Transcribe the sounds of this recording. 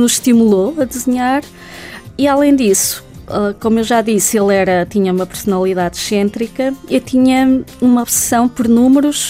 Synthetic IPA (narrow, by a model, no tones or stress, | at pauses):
nuʃt̪imulˠoɐðɨzɨɲaɾ | ialˠẽj̃d̪isu̥ɛkomuewʒaðiselˠɛɾɐt̪iɲɐumɐpɨɾsunɐlˠiðaðʃẽnt̪ɾikɐewt̪ʰiɲɐumɐɔβsɨ̥sɐ̃w̃pɔɾnumɨɾuʃ